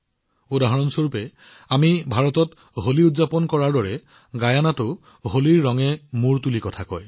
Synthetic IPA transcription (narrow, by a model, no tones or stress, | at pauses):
odaɦɔɹɔnsoɹupɛ | amibʱaɹɔtɔt | ɦoliudzapɔnkɔɹaɹdɔɹɛ | ɡajanatʊ | ɦoliɹːɔŋɛmuɹtulikɔtʰakɔ̰j